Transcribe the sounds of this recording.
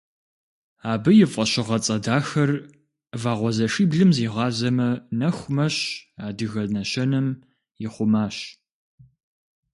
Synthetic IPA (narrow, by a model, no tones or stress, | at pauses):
aːbɨjɪfʼɐɕɪʁɐt͡sʼɐdaːxɐr | vaːʁʷɔzɐʂiːbɮɨmziːʁɑːzɐmɐnɐxʷmɐɕaːdɨɣɐnɐɕɐnɐm | jɪχʷʊmaːɕ